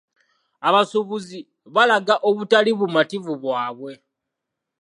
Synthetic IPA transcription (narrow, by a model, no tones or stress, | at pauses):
aβasuβuzi | βalaɡaʔoβutaliβumativuβwaːβwe̞